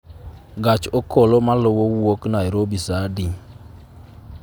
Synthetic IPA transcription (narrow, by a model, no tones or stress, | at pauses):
ɡat͡ʃokolomalowowoknaeɾobisadi